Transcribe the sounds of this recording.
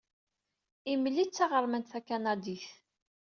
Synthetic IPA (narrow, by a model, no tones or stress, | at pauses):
iməlːit͡sːɑʁəɾˤmənt̪θækːænæd̪iθ